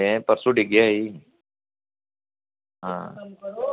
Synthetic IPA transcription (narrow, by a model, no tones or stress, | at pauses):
ẽpɐɾsuɖiɡjaɦi | ɦã̰ː